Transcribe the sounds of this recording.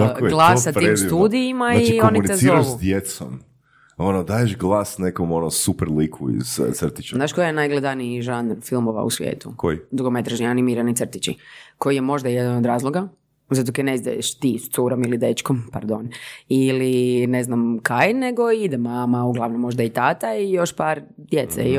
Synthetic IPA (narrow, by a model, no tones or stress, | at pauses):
akɡlˠassat̪iemst̪uːd̪iimaioniunit̪ezsiɾaʃud̪jet̪so̰m | onod̪ajeʃɡlˠaːsnekomonosupɛɾlikʰṵḭzsr̩t̪i̥t͡ʃznaːʃkojenajɡlˠed̪aniiʒand̪nfilˠmoʋa̰ṵsʋjḛːt̪ṵkojid̪ɾuɡomet̪ɾaʒnianimiɾanisr̩t̪it͡ʃḭko̞jjemo̞ʒd̪ajed̪anod̪ɾaːzlˠoɡa | zat̪̬okeneizd̪a̰jḛʃt̪ist̪suɾomilid̪et͡ʃkompa̰ɾd̪onilineznamkajneɡoid̪ɛmamauɡlˠaʋnomːo̞ʒd̪ait̪aːt̪aijo̞ʃpaɾd̪jet̪sḛi